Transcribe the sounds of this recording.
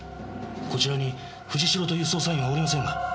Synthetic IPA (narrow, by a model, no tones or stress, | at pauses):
ko̞t͡ɕiɾaɲ̟i | ɸɯ̟ʑiɕiɾo̞t̪o̞jɯ̟ːso̞ːs̬aĩβaoɾʲimas̬ẽ̞ŋɡa